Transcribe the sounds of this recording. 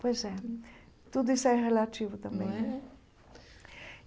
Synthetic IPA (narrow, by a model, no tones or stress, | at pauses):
pojzɛ | t̪ud̪ʊisʊɛʁelat͡ʃivʊt̪ɐ̃mbẽj̃nɛ̃